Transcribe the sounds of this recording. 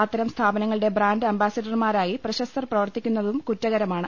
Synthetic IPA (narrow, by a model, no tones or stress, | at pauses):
aːt̪ːɐɾɐmst̪ʰaːbɐnɐŋːɐɭɨɽe̞braːnɖɨɐmbaːsɐɖɐrmaːɾaːjiprɐɕɐst̪ɐrprɐʋɐrt̪ikʲːunːɐðumkutːɐɣɐɾɐmaːɳɨ